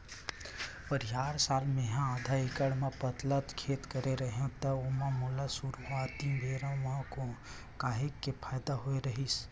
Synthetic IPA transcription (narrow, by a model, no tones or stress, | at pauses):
pəɾijaːɾsaːlmeɦãad̪ʱaikəɽmepət̪lət̪kʰet̪kəɾeɾəɦẽt̪əomamulasuɾat̪ibʱeɾãʋɦãko | kaɦekːepʰaːjd̪aɦoeɾəɦis